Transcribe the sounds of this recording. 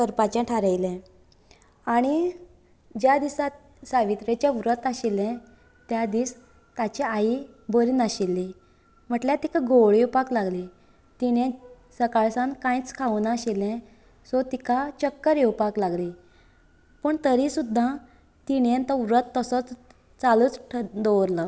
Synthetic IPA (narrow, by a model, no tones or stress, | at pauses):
kəɾpat͡ɕãʈʰaɾəjlɛ̃ | aɽ̃i | d͡ʑjad̪isat̪̚ | saʋit̪ɾet͡ɕaʋɾət̪aɕilɛ̃ | t̪jad̪iːs | t̪at͡ɕɛai | bəɾiːnaɕilːi | m̤əʈljat̪ikaɡʱoɭjewpaklaɡli | t̪iɽ̃ẽ | səkaɭsãnkãit͡skʰaunaɕilɛ̃ | sɔt̪ikʰat͡ɕəkːəɾjewpaklaɡli | pəɳt̪əɾisud̪ʱːa | t̪iɽẽnt̪ɔʋɾət̪ːəsət͡s | t͡saluːt͡sʈʰd̪ɔwɾlə